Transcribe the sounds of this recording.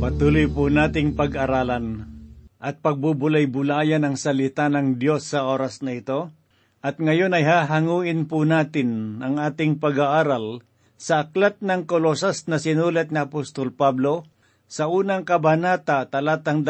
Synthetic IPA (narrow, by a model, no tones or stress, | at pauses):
pɐt̪uːlʊjpʊnaːt̪ɪŋpɐɡɐɾaːlanʔɐt̪̚pɐɡ̚bʊbʊlajbʊlaːjanɐŋsɐlɪt̪anɐŋd̪josːɐʔoːɾasnɐɪt̪o̞ | ʔɐt̪̚ŋɐjonɐjɦaːɦaŋuːʔɪnpʊnaːt̪ɪnʔɐŋaːt̪ɪŋpɐɡaʔaːɾal | sɐʔːklat̪̚nɐŋkolosasnɐsɪnuːlat̪̚ŋɪɐpost̪olpablo̞ | sɐʔuːnɐŋkɐbanaːt̪at̪ɐlaːt̪ɐŋd̪